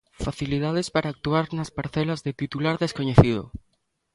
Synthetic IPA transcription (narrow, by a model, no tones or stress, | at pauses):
faθiliðað̞espaɾaːk̚t̪uaɾnɐspaɾθɛlazðet̪it̪ulaɾðeskoɲeθiðo̰